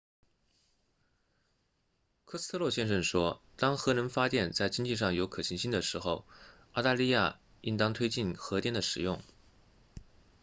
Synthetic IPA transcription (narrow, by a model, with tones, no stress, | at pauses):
kʰɤ˥s̩˥t̪ʰɤ˥˧lwɔ˥˩ɕjɛ˥˧nʂ̬ə˥˩nʂwɔ˥ | t̪ɑ˥ŋxɤ˧˥ɻə˧˥nfa˥t̪jɛ˥˧nt͡sa˥˩ɪt͡ɕi˥ŋt͡ɕi˥˧ʂ̬ɑ˥˩ŋjo˧˥ʊkʰɤ˨˩ɕʰi˧˥ŋɕi˥nd̪ə˨˩ʂɻ̩˧˥xo˥˧ʊ | ɑ˥˧ʊt̪a˥˧li˥˧ja̰˥˩ | i˥nt̪ɑ˥ŋt̪ʰwe˥ɪt͡ɕi˥˩nxɤ˧˥t̪jɛ˥˩nd̪ə˩ʂɻ̩˨˩jʊ̰˥˩ŋ